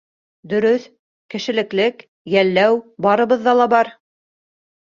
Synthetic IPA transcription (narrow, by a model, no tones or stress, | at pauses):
d̪ɵ̆ɾɵθ | kɘ̆ʃɘ̆lɘ̆klɘk | jælːæwbɑɾɤ̆βɤ̆ðːɑlˠɑbɑɾ